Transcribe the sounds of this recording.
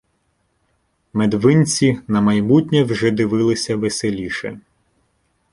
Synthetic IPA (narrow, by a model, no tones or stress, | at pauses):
med̪ʋɪnʲt͡sʲinɐmɐjmutʲnʲɛwʒɛd̪ɪʋɪlˠɪsʲɐʋeselʲiʃɛ̰